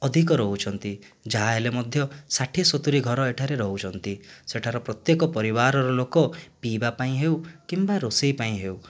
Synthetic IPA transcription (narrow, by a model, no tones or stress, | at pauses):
ɔd̪ʱik̬ɔɾɔɦut͡ʃʰɔnt̪i | d͡ʒaɦaelemɔd̪ʱjɔsaʈʰisɔt̪uɾiɡʱɔɾɔeʈʰaɾeɾɔɦut͡ʃʰɔnt̪iseʈʰaɾɔpɾɔt̪jekɔpɔɾibaɾɔɾɔlokɔpibapaĩɦewkimbaɾosijpaĩɦew